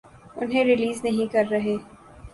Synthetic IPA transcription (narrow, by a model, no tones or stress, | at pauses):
ʊ̰nɦẽɾɪliːznɐɦĩkɐɾːɐɦeː